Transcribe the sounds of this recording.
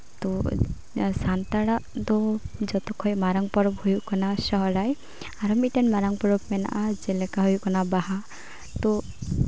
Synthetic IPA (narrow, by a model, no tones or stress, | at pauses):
t̪ɔ | sant̪aɽaʔd̪ɔd͡ʒɔt̪ɔkʰɔjmaɾaŋpɔɾɔbhujukɔnasɔɦɔɾaj | aɾɔmiʈanmaɾaŋpɔɾɔbmɛna̰ʔad͡ʒɛlɛkaɦujukɔnabaɦa | t̪ɔ